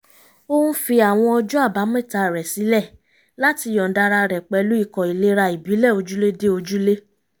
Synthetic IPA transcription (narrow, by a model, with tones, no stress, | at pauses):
o˦ũ˦fi˧a˨w̃ɔ̃˧ɔ˧d͡ʒu˦a˦˨ba˨˦mɛ̃˦˨ta˧˨ɾɛ˨si˨˦lɛ˦˨ | la˦ti˧jɔ̃˨da˧ɾa˧ɾɛ˨k͡pɛ˨˧lu˨˦i˦˨kɔ˨i˨le˦ɾa˧i˨bi˨˦lɛ˦˨o˧d͡ʒu˦le˦de˦o˧d͡ʒu˦le˦